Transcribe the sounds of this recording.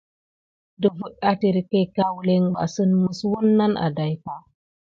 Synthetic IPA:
də˨vu˨ɗa˦ti˨ɾi˨ke˦ka˦wu˦le˦ŋba̰˨sə˦nmu˦swu˦nːa˦nʔa̰˨da˨jka˨

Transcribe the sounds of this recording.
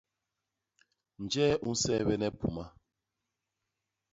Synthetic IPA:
n̩˨d͡ʒɛː˦ʔu˦n̩˦sɛ˦bɛ˦nɛ˦pu˨ma˦

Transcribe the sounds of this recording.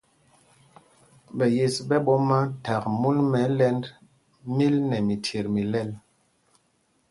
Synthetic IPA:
ɓɛ˨je˨sɓɛ˦ɓɔ˦ma˦ta˨k̚mu˦nmɛ˨˦lɛ˦nd | mi˦lnɛ˨mi˨tʰe˨ɾmi˨lɛ˦l

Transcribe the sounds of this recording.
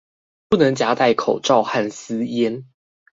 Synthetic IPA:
pu˥˨nə˨˦ŋt͡ɕja˧˥t̪a˥˩ɪkʰo˨˩ʊʈ͡ʂɑ˥˨ʊxa˥˨˩nsɨ˦jɛ˦˥n

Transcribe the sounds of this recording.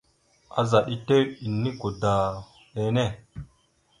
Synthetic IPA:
a̰˨za˨ɗi˦te˦ɾi˨nːi˦ko˨da˨ | ɓe˦ne˦˨

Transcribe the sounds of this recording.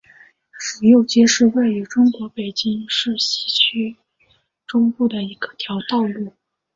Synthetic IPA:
ʂɻ̩˨˩jo˥˩ʊt͡ɕjɛ˥ʂɻ̩˥˧we˥˩ɪy˧˥ʈ͡ʂʊ˥ŋkwɔ˧˥pe˨˩ɪt͡ɕi˥ŋʂɻ̩˥˩ɕi̥˧˥t͡ɕʰy˥ | ʈ͡ʂʊ˥ŋpu˥˩d̪ə˩i˧˥ɡə̥˧t̪ʰjɑ˧˥ʊt̪ɑ˥˧ʊlu˥˩

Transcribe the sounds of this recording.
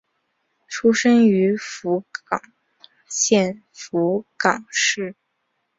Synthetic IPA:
ʈ͡ʂʰu˥ʂə˥ŋy˧˥fu˧˥kɑ˨˩ŋ | ɕjɛ˥˩n | fu˧˥kɑ˨˩ŋʂɻ̩˥˩

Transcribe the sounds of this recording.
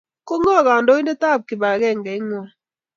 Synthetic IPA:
ko˦ŋɔ˦˨ka˨ndo˦i˦nde˦ta˦˨p̚kɪ˨ba˨kɛ˦˨ŋɡɛ˨ɪ˦ŋɔ˨

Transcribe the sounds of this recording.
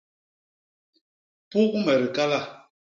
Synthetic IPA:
pu˦ʔmɛ˨ɾi˨ka˦la˦˨

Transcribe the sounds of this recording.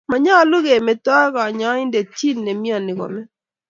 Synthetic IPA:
ma˨ɲɔ˦lʊ˦ɡe˨me˨tɔ˦ɣɔ˨ɲɔ˨˦ɪ˦nde˨t͡ʃi˦nːe˨mi˦ɔ˨nɪ˨ko̰˨mɛ˦

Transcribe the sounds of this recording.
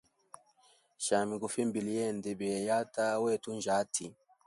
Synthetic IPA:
ʃa˨mi˨ku˨fi˦mbi˨li˦jɛ˦˨ndɛ˨bɛ˨ja˦ta˦wɛ˦˨tu˦nd͡ʒa˨˦tʰi˨

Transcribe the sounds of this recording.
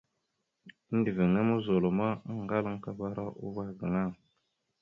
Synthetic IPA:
ndi˨vi˨ŋe˦mu˦zo˨lo˨ma˦ŋ˨ɡa˦lə˦ŋ˦ka˦ba˦ɾa˦ʔṵ˦va˨ɡə˨ŋa˦˨ŋ

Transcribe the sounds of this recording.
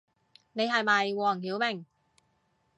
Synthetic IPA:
ne˨˧jɦɐ˨jmɐ˨jwɔː˨˩ŋhiː˨˥wmɪ˨˩ŋ

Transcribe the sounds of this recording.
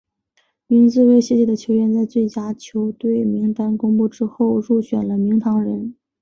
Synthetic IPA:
mi˧˥nt͡sɹ̩˥˧we˥˧ɪɕjɛ˥˧t͡ɕjɛ˥˩d̪ə˩t͡ɕʰjo˧˥ʊɥɛ˥˧nt͡sa˥˧ɪt͡swe˥˩ɪt͡ɕja˥t͡ɕʰjo˧˥ʊt̪we˥˩ɪmi˧˥ŋt̪a˥nkʊ˥ŋpu˥˩ʈ͡ʂɻ̩˥xo˥˧ʊɻu˥˩ɕɥɛ̰˨˩nlə˦mi˧˥ŋt̪ʰɑ˧˥ŋɻə˧˥n

